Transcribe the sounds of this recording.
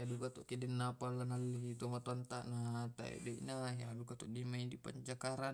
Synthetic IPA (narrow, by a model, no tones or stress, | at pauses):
jadukat̪ɔʔkedɛnːapalːanalːit̪omat̪oant̪aʔnat̪a̰ḛdeʔnajadukat̪ɔʔdimaidipa̰ɲt͡ʃakaɾan